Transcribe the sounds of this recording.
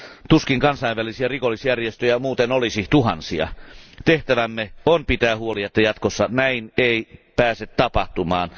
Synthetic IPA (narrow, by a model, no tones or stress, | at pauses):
t̪uskiŋkɑnsɑˑiʋʋælisiærikolːˑisjærjest̪øjæmuːt̪enolisiht̪uhɑ̰nsiɑ̰t̪eht̪æʋæmːeonpit̪æːhuoliɑt̪ːɑjɑt̪kosːɑnæineipæːset̪tɑpɑht̪umɑːn